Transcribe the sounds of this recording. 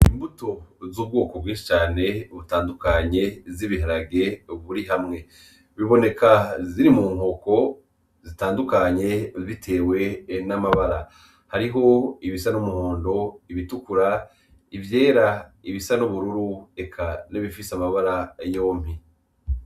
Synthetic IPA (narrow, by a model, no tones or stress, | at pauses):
imbuto̞zuːb̚ɡo̞ːko̞bɡĩːʃi̥t͡ʃaːne̞βutaːndukaɲe̞ziβiɦaɾaɡe̞βuɾiɦamŋe̞ | βiβo̞ne̞kʰaziɾimuːŋ̥o̞ko̞ | zitaːndukaɲe̞βitʰe̞ːwe̞namaβaɾa | haɾiɦo̞iβisanumuhoːndo̞iβitukuɾa | ivje̞ːɾaiβisanuβuɾuɾue̞kʰaniβifisamaβaɾajo̞ːm̥hi